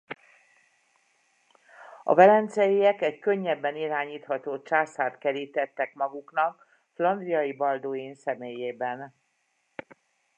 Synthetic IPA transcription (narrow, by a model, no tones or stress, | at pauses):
ɒ̰vɛlɛnt̪sɛjijɛkɛckø̞ɲːɛbːɛniɾaːɲiːt̪hɒt̪oːt͡ʃaːsaːt̪kɛɾiːt̪ɛt̪ːɛkmɒɡuknɒk̚ | flɒnd̪rijɒjibɒld̪oːinsɛmeːjeːbɛn